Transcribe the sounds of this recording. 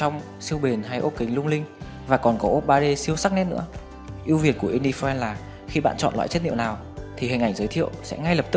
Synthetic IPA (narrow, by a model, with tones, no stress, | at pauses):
t͡ɕɔ˧wŋ͡m | si˧əwɓe˨˩nɦa˧jʔo˦˥p̚kï˨˦ŋlʊ˧ŋ͡mlï˧ŋ | vaː˨˩kɔ˨˩nkɔ˨˦ʔo˦˥p̚ɓaː˧ɗe˧si˧əwsa˦˥k̚nɛ˦˥t̚nɨ̰˧˥ə | ʔi˧əwvi˨˩ənku˧˩əʔi˧ni˧fɛ˧nlaː˨˩ | xi˧ɓa̰ː˧˨nt͡ɕɔ̰˧˨nla̰ː˧˥jt͡ɕe˦˥t̚ɲḭ˧˨wnaː˨˩w | t̪ʰi˨˩hi˨˩ŋʔa˧˩jŋzəː˨˦jt̪ʰḭ˧˨əwsɛ̰˧˥ŋa˧jləː˨˩p̚t̪ɨ˦˥k̚